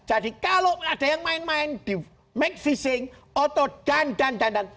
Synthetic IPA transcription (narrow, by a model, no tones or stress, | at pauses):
d͡ʒ̥adikaloʔad̥a̤jaŋmaɪnmaɪnd̪̥i | mɛk̚fisɪŋɔt̪ɔɖ̥andand̪andaŋ